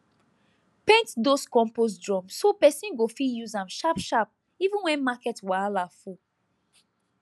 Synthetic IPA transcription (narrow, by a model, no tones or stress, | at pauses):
pẽntdoskɔ̃mpos̬dɹɔ̃msopɛsĩnɡofijuzãmʃapʃap̚ | ivũnwɛ̃nmakɛtwaalafu